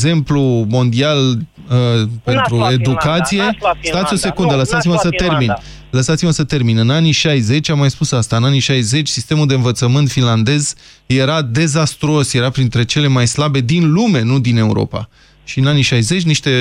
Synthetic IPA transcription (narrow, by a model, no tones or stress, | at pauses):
ze̞mplumo̞nd̪ial | əpe̞nt̪ɾue̞d̪ukat̪sije̞st̪at̪sʲjo̞se̞kund̪ələsat̪siməsət̪e̞rmin | ləsat̪siməsət̪e̞rminɨnaniʃajze̞t͡ʃʲamːajspusast̪aɨnaniʃajze̞t͡ʃʲsist̪e̞muld̪eɨnvət̪səmɨnt̪finland̪e̞z | je̞ɾad̪e̞zast̪ɾo̞sje̞ɾapɾint̪ɾe̞t͡ʃe̞le̞majslabe̞d̪inlume̞nud̪ine̞ṵɾo̞̰pa̰ | ʃiɨnaniʃajze̞t͡ʃʲniʃt̪e̞